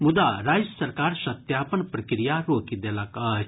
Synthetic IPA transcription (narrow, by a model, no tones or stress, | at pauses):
mud̪aɾaːd͡ʒjəsɐɾkaːɾsɐt̪japənpɾəkɾijaɾokid̪elakə